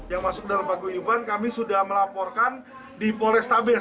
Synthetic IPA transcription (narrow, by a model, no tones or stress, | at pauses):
jaŋmasʊk̚dalambaɡuibankamisudahməlapɔrkan | dipɔlɛst̪abɛ